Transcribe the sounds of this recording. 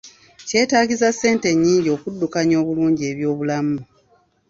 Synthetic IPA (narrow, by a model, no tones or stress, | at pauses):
ce̞ːtaːɟizasːe̞ːnte̞ɲːiːɲɟo̞ːkudːukaɲo̞ːβuluːɲɟie̞ːβjo̞ːβulamu